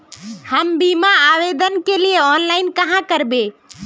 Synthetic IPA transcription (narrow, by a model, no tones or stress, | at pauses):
həmbimaaʋed̪ənkelieɔːnlaːɪnkəɦãkəɾbe